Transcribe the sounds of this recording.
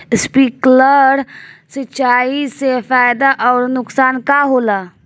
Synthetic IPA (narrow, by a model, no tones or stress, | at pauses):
spikləɾsit͡ʃaisefajd̪aʔɔʊɾnʊksankaɦola